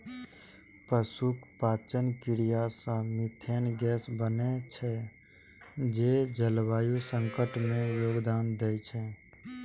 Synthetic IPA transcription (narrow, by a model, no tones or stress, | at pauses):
pəsukʰpaːt͡ʃənkɪɾijasə̃mɪt̪ʰenɡɛːsbənet͡ʃʰɛ | d͡ʒed͡ʒəlʋaːjusə̃ŋkəʈmẽjoːɡd̪aːnd̪ejt͡ʃʰɛ